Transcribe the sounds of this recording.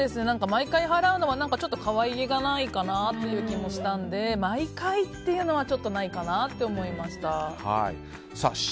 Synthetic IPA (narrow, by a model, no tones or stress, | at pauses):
d̪e̞sɨne̞nãŋkamaikaiɦaɾaɯ̟no̞βanãŋkat͡ɕo̞t̪ːo̞kaβaieɡanaikanat̪ːe̞jɯ̟ːkʲimo̞ɕi̥t̪ãnd̪e̞maikait̪ːe̞jɯ̟ːno̞β̞at͡ɕo̞t̪ːo̞naikanat̪ːe̞omo̞imaɕi̥t̪aha̰ḭ | sa̰